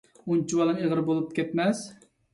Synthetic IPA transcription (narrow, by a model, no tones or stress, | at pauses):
unt͡ʃʰiwɑlˠɨŋeʁəɾbolˠup̚kʲɛt̪mɛs